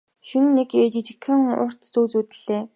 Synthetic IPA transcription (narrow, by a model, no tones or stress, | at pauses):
ʃĭnneket͡ɕit͡ɕi̥kʰə̆ŋʊ̰r̥t̪t͡suːt͡suːt̪ɘ̆ɮeː